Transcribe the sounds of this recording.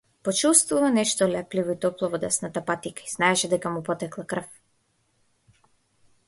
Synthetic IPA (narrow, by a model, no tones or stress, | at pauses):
pɔt͡ʃust̪vuvanɛʃt̪ɔlɛplivɔit̪ɔplˠɔvɔd̪ɛsnat̪apat̪ikaiznaɛʃɛd̪ɛkamupɔt̪ɛklˠakr̩f